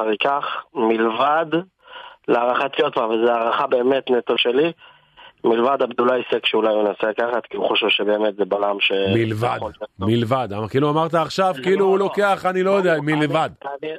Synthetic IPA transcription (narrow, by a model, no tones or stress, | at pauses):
aʁejkaχmilvad̪ | leaʁaχat̪ijot̪bavalzeaʁaχabe̞ːmet̪net̪oʃeli | milvad̪abd̪ulajsekʃeulajunaselakaχat̪kiuχoʃevʃebe̞ːmet̪zebalamʃemilvad̪milvad̪akiːluamaʁt̪aːχʃavkiiluhulo̞ke̞aχanilo̞jod̪eamilvad̪